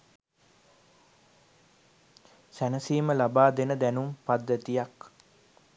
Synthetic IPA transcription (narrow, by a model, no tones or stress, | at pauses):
sænəsiːməlabaːd̪enəd̪ænumpad̪ːət̪ijak